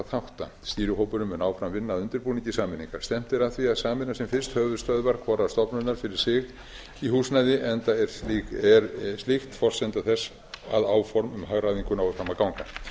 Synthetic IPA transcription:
θawht̪a̰ | st̪iːɾʏɦoːwpʏɾʏmʏnaːwfɾamvɪnːaðʏnt̪ʏɾpuːnĩɲcɪsaːmɪnːiŋkaɾ̥st̪ɛm̥t̪ɪɾaðθviaðsaːmɪnːasɛmfɪr̥st̪hœːvʏðst̪œðvaɾkʰvɔːɾast̪ɔpnʏnaɾ̥fɪɾɪɾ̥sɪːɣ | ihuːsnajðɪʔɛnt̪aɛɾlɛɾst̪lɪxt̪fɔr̥sɛnt̪aθɛs | a̰ðaːwfɔɾmʏmhaɣɾajðiŋkʏnawɪfɾamakawŋka

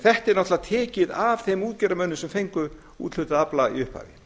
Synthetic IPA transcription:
θɛht̪ɪɾnɔht̪lat̪ʰɛːcɪðavθejmuːt̪cɛːɾamœnːʏsɛmfejŋkʏ | ṵt̪l̥ʏt̪aaplaḭʏhpha̰ːvɪ̰

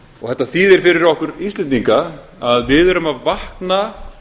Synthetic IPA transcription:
ɔɣθɛht̪ːaθiðɛɾ̥fɪɾɪɾɔhkʏɾist̪lɛnt̪iŋka | aðvɪðɛɾʏmaðvahkna

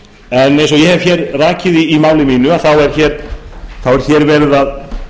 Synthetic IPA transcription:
ɛnːẽjns̬ɔjɛhɛv̥çɛːɾraːcɪðiːmaːwlɪmiːnʏaθawɛɾ̥çɛːɾ̥θawɛɾ̥çɛɾvɛːɾɪðað

